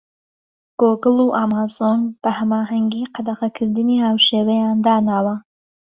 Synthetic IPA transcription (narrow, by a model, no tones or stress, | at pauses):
ɡ̥oːɡɨluːʔamaːzonb̥ɐhɐmaːɦɐŋɡiːqɑd̪ɐqɐkʰɨɾd̪ɨniːhaːwʃeːwɛjaːnd̪aːnaːwɐ